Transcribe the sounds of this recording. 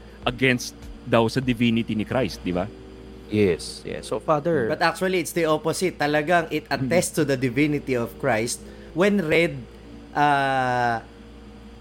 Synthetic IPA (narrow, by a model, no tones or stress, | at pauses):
ʔɐɡɛnst̪̚d̪ɐwsɐd̪ɪvinɪt̪inɪkɾajst̪̚d̪ɪba | jɛsjɛ̰sːofad̪ɛɹbɐt̪ʔak̚t͡ʃuɐliɪt̪sd̪iʔoposɪt̪ːɐlɐɡaŋʔɪt̪̚ɐt̪ɛst̪ʊd̪ɐd̪ɪvinɪt̪iɔvkɹajst̪̚ | wɛnɹɛd̪̚ | ʔa